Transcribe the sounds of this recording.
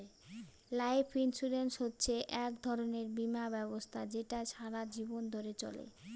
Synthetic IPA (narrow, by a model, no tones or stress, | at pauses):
lajpʰinsuɾensɦotːɕʰeʔɛk̚d̪ʱɔɾoneɾbimabɛbost̪ʰad͡ʑeʈaʃaɾad͡ʑibond̪ʱoɾet͡ɕɔ̰lḛ